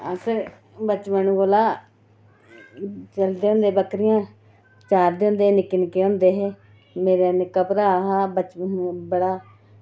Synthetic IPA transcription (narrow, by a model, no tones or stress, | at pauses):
əsəɾ | bət͡ʃmənuɡoːlaː | t͡ʃəld̪eːɦõnd̪eːbəkɾɪjãː | t͡ʃaːɾd̪eːʊ̃ːnd̪eːnɪkːənkeːõːnd̪eːɦeː | meːɾeːnɪkːaːpəɾaːɦaːbət͡ʃəbəɽaː